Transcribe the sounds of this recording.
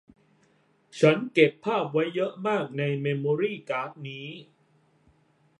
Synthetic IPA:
t͡ɕʰa˦˥nke˨˩pʰːaː˥˩p̚wa˦˥jːɤ˦˥ʔmaː˥˩k̚na˧jme˧moː˧ɾiː˥˩kaː˦˥t̪̚niː˦˥

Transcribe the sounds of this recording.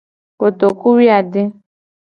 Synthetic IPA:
ko˨t̪o˨ku˦wi˦a˨ɖe˦

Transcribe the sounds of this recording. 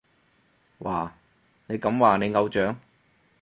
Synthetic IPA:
waː˨˩ | ne˨˧jkɐ˨˥mwaː˨ne˨˧jŋɐ˧wt͡ʃœː˨˥ŋ

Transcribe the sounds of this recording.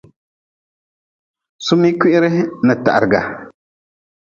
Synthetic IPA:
sʊ˦mi˦ki˦ɪ˦ɾɪ˦nɨ˨ta̰˨ʔɾɨ˨ɡa̰˨

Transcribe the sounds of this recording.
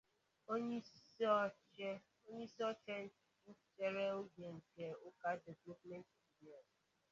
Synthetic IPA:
t͡ʃ | o˦ɲe˦sɔ˦t͡ʃe˦ | n̩˦t͡ʃe˦ɾe˦o˦be˨ŋ̩˨ke˨o˦ka˦de˨vlo˦pme˦nti˨di˦a˨

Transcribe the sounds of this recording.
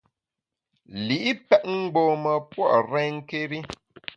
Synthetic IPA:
li˨˦ʔi˦pɛ˨ʔ̚ŋ̩˦ɡ͡boː˨mə˨pwɔ̰˦˨ʔɾɛ̃˦ŋ̩˦ke˦ɾi˦

